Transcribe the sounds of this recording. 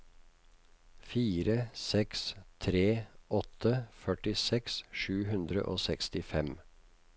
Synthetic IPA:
fiːɾəsɛkst̪ʰɾeːɔt̪ʰəfœʈɪsɛksʃʉːhʉnd̪ɾə̰ʔo̰ːsɛkst̪ɪfɛm

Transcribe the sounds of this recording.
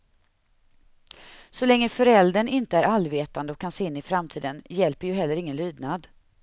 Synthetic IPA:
sɔlɛŋːəfœɾɛld̪əɳɪnt̪əæɾalveːt̪and̪əɔkʰːanseːɪnːɪfɾamt̪ʰiːd̪ənjɛlpəɾjɵɦɛlːəɾɪŋːənlyːd̪nad̪

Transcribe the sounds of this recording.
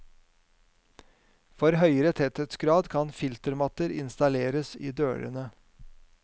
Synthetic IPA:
fɔɾɦœʏəɾət̪ʰɛt̪ət̪sɡɾɑːd̪kʰɑnfɪlt̪əɾmɑt̪əɾɪ̰nst̪ɑleːɾəsḭːd̪øːɾə̰nə

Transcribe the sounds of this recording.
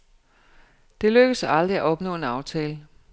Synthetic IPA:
d̥e̝løɡ̥əsɑ̈ld̥ʁiæʔɒ̽b̥nɔ̰̽ːe̝nɑ̈ʊt͡sʰɛːlə

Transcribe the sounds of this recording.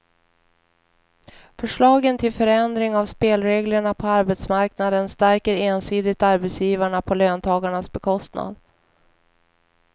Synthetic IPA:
fœʂɭɑːɡənt̪ʰɪlfœɾɛnd̪ɾɪŋavspeːlɾeːɡləɳapʰɔaɾbɛt̪smaɾknad̪ənst̪æɾkəɾeːnsiːd̪ɪt̪aɾbɛt̪sjiːvaɳapʰɔløːnt̪ʰɑːɡaɳasbɛkʰɔst̪na̰d̪

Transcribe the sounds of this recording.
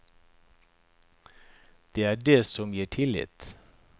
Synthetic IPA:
d̪̥eːæːɖeːsɔmjiːʈʰɪlɪ̰t̪

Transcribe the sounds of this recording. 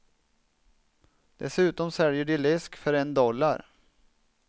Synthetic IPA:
d̪̥ɛsʉ̟ːt̪ɔmsɛljəɖɪlɪskfœɾɛnd̪ɔlːa̰ɾ

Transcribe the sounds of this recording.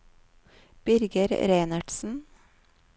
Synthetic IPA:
b̥ʏɾɡəɾɾeːnɑɖ̥sn̩

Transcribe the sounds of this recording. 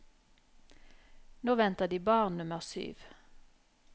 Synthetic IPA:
noːʋɛnt̪əd̪iːbɑːʁnnʉməʁsy̰ːʋ

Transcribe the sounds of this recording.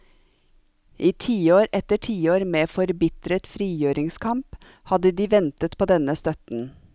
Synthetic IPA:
ʔiːt̪ʰiːoːɾʔɛt̪əʈʰiːoːɾmeːfɔɾbɪt̪ɾət̪fɾiːjøːɾɪŋskʰɑmp | hɑd̪əd̪iːʋɛnt̪ət̪pʰoːd̪ɛnəst̪œt̪n̩

